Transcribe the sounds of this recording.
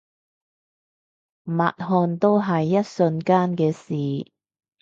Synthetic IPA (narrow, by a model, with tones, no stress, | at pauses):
ma̰ː˨t̚ɦɔː˧nt̪o˥wɦɐ˨jːɐ˥t̚sɵ˧nkaː˥nkɛː˧siː˨˩